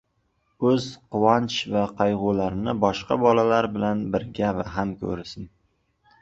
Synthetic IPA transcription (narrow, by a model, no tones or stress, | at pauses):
ɵzqʊwɒnt͡ʃvaqʰɑjʁʊlaɾnɪbɒʃqɑ̰bɒlalaɾbɪlanbɪɾɡʲavaɦamkʰɵ̰ɾɪsɪn